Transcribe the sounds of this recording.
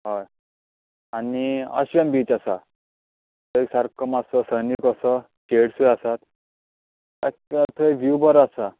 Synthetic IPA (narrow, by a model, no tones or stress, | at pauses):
ɦaj | aniə̰ɕʋambiːt͡ɕasa | t̪əjsaɾkʰəmasəsənikəsə | keɽsujasat̪ | akat̪ʰəʋjubəɾasa